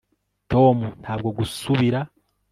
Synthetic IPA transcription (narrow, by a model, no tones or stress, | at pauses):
to̞ːmun̥haːbɡo̞ɡusuβiɾa